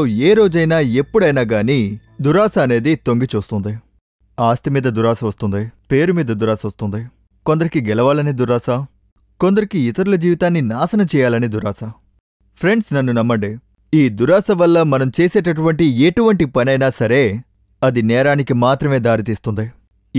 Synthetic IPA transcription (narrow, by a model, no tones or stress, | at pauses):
oːeːɾo̞ːd͡ʒɐjnaːe̞pːuɽɐjnaːɡaːniːd̪uɾaːsɐːne̞ːd̪it̪o̞ŋɡit͡ʃuːst̪und̪i | aːst̪imiːd̪ɐd̪uɾaːsɐʋɐst̪und̪ipeːɾumiːd̪ɐd̪uɾaːsɐʋɐst̪und̪i | kond̪ɐɾikiɡɛlɐʋaːlɐnid̪uɾaːsɐ | ko̞nd̪ɐɾikiit̪ɐɾulɐd͡ʒiːʋit̪aːnːinaːsɐnɐt͡ʃɛːjaːlɐnid̪uɾaːsɐ | pʰɾe̞ɳɖsnɐnːunɐmːɐɳɖi | iːd̪uɾaːsɐʋɐlːɐmɐnɐmt͡ʃeːseːʈɐʈuʋɐɳʈieʈuʋɐɳʈipɐnɐjnaːsɐɾe̞ː | ɐd̪inɛːɾaːnikimaːt̪ɾɐme̞ːd̪aːɾit̪iːst̪und̪i